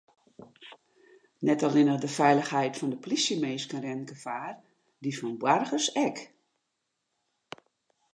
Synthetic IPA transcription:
nɛtɔlɪnədəfɛjləxhɛjtfɔndəplisjəmeːskənrɛnɡəfaːr | difɔnbwarɣəsɛk

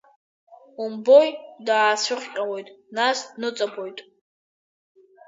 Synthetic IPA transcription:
umbojdaasʊχʲqʲʼawojtʼnasnɨt͡sʼabojtʼ

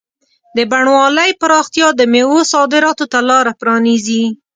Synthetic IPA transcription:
d̪əbaɳwɑləjpəɾɑxt̪jɑd̪əmewosɑd̪ɪɾɑt̪ot̪alɑɾapɾɑnizi

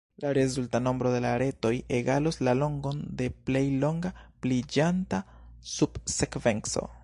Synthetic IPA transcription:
laɾe̞zultano̞mbɾo̞de̞laɾe̞to̞je̞ɡaloslalo̞ŋɡo̞nde̞ple̞jlo̞ŋɡaplid͡ʒanta | sub̥sekve̞nso̞̰

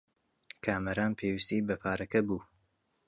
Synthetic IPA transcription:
kʰaːmɐɾaːnpʰeːwist̪iːbɐpʰaːɾɐkɐbuː

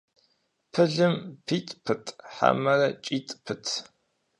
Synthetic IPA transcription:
pʰɨɮɨmpʰiːtʼpʰɨtʰʼħa̰mɐrɐt͡ʃʼiːtʼpʰɨtʰ

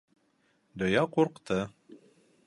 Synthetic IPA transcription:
d̪ojɑquɾqt̪ɤ

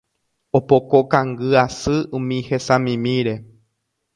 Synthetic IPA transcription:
opokokãŋɡɨasɨũmĩhesãmĩmĩɾe̞

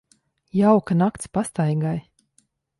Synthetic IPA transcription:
jawkanakt̪spast̪ajɡaj

